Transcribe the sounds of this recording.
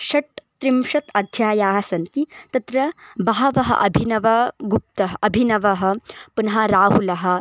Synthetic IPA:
ʃɐʈt̪ɾimʂɐt̪ɐd̪ʱjaːjaːɦɐsɐnt̪it̪ɐt̪ɾɐbɐɦɐʋɐɦɐ̰ʔɐbʱinɐʋɐɡup̚t̪ɐɦɐʔɐbʱinɐʋɐɦɐ̆punɦaɾaːɦulɐɦɐ̆

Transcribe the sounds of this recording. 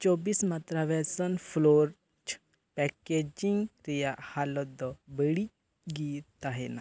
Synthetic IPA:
t͡ʃɔbiːsmat̪ɾaʋɛsɔnfʰloɾ | t͡ʃʰ | pɛked͡ʒiŋɡɾijaʔhalɔd̪ɔbəɽi | ɡit̪aɦena

